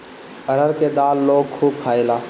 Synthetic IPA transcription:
əɾəɾked̪aːlːoːɡ̚kʰuːbkʰaːelaː

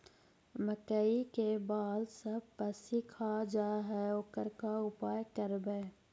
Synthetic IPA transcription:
məkəikebaːlsɐb̚pəsikʰaːd͡ʒaːɦɛʊkəɾkaʊpaːjkəɾbeː

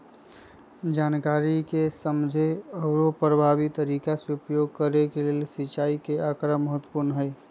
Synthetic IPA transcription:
d͡ʒankaɾikesəmd͡ʒʱeəʊɾopɾəbʱabit̪ːəɾikasupjoɡ̚kəɾekelelsit͡ʃaikeakɾəməɦət̪wəpuɾnɦəjɪ

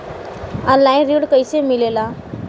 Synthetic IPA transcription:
ənlajnɾiɽkəjsemilela

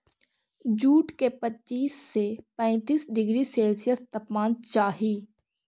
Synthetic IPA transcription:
d͡ʒuːʈkepətːt͡ʃːiːsːepɛ̃ːt̪iːsɖɪɡɾiseːlsɪjət̪t̪ɐpmaːnt͡ʃaːɦiː

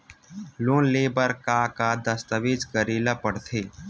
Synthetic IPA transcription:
loːnleːbəɾkakad̪əst̪əʋeːd͡ʒkəɾiːlapəɽt̪ʰeː

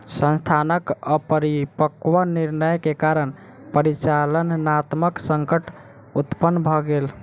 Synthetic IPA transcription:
sə̃nst̪ʰanəkəpəɾipəkʋəniɾnəjkekaɾən | pəɾit͡ʃalənnat̪məksəŋkəʈ | ut̪pənːbʱɔɡel

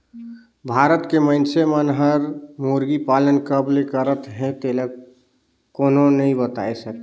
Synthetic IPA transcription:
bʱaɾət̪kemənsemənɦəɾmoɾɡipalənkəblekəɾət̪ɦɛ̃t̪eləɡ | koːnonəĩbət̪a̰esək

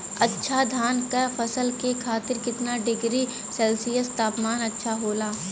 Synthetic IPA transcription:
ɐtːʃʰad̪ʱaːnkɐɾfʰɐsəlkekʰaːt̪ɪɾkɪt̪naɖɪɡɾi | sɛlsijəst̪aːpmaːnɐtːʃʰaɦoːlaː

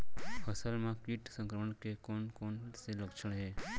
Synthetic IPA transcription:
pʰəsəlmãkiʈsə̃ŋkɾəməɳ̃kekonkonseləkʃəɽ̃ɦe

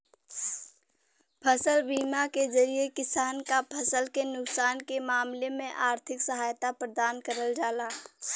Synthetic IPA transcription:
pʰəsəlbiːmakezɐɾijekɪsaːnkapʰɐsəlkenʊksaːnkemaːmlemẽʔaːɾt̪ʰɪksɐɦaːjt̪apɾəd̪aːnkəɾəld͡ʒaːlaː

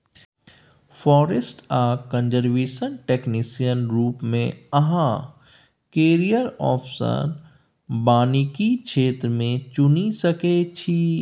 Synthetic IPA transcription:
fɔːɾesʈaːkə̃nd͡ʒəɾʋeːʃənʈeːknisijənɾuːpmẽɐɦã | keːɾijəɾɔ̰ːpʰsə̰n | baːnikikt͡ʃʃʰeːt̪ɾəmẽt͡ʃʊnisɐket͡ʃʰi

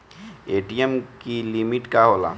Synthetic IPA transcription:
eʈijemkilimiʈkaɦola̰

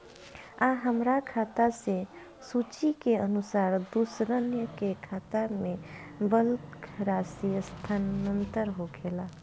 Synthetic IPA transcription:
aɦəmɾakʰaːt̪ase | suːt͡ʃikeənʊsaːɾd̪usɾənjəkekʰaːt̪amẽbəlkɾaːsiəst̪ʰanənt̪əɾɦokʰeːla

